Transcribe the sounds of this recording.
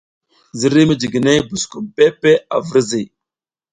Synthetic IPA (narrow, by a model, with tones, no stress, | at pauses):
zi˦ɾi˦mə˦d͡ʒi˨ɡi˨ne˦bu˨sku˨mpe˦pe˦a˨və˦ɾzi˨